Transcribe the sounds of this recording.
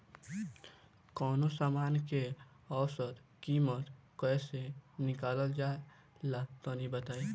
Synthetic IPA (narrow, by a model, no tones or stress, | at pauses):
kɔːnosaːmaːnke | ɔʊsət̪kiːmət̪kɛːsenɪkaːləld͡ʒaːe | lat̪oːnibət̪aːi